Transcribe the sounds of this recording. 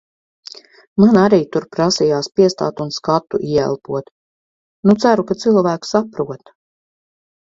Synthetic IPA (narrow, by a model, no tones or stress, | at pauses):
manaɾiːt̪uɾpɾasijaːspiɛst̪a̰ːt̪unskat̪ːuʔiɛɛ̰lˠpuɔt̪ | nut̪sæɾukat̪silˠvæːku̥sapɾuɔt̪